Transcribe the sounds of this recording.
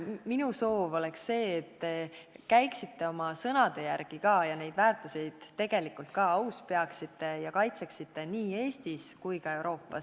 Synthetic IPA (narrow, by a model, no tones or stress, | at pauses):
minuso̞ːvo̞le̞ksːe̞ːt̪ːe̞kæjksit̪ːe̞o̞mɑsɤnɑd̪̥e̞jærɡ̥ikɑːjɑne̞jd̪̥væːrt̪ˑuse̞jd̪̥t̪ːe̞ɡ̥e̞likːˑult̪̚kɑɑwspe̞ɑksit̪ːe̞jɑkɑjt̪se̞ksit̪ːe̞niːe̞ːst̪iskujkɑe̞wɾo̞ːpːˑɑ̰s